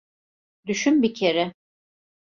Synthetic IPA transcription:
d̪yʃynbicʰeɾɛ

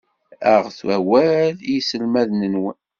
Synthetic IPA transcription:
æʁθwæwæljisəlmæðnənwən

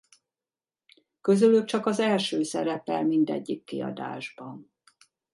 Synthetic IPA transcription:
kø̞zylyk̚t͡ʃɒkɒzɛlʃøːsɛɾɛpɛlmind̪ɛ̰ɟːikːiɒ̰d̪a̰ːʒbɒn

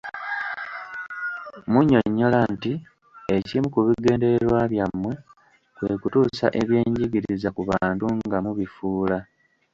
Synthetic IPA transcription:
muɲo̞ɲːo̞lanti | e̞cimukuβiɡe̞ːnde̞eɾwaβjamːwe̞ | kwe̞kutuːsa̰ʔe̞βje̞ːɲɟiɡiɾizakuβaːntuŋɡamuβifuːla

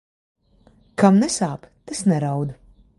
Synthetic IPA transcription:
kamnɛsaːpt̪esnɛɾawd̪u

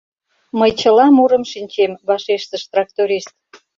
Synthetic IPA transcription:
məjt͡ɕəlɑmuɾəmʃinʲt͡ɕemβɑʃeʃt̪ə̆ʃt̪rɑk̚t̪oɾʲiʃt̪̚

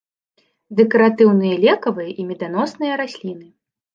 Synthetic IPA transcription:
d̪ɛkɐɾat̪ɨwnɨjɐlʲɛkɐvɨjɐʔimʲɛd̪an̪ɔsnɨjɐɾasʲlʲin̪ɨ

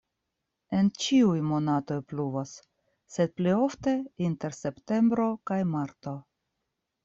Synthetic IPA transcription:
e̞nt͡ʃiujmo̞nato̞jpluvosː | e̞d̪̚plio̞fte̞inte̞ɾse̞pte̞mbɾo̞kajmaɾto̞

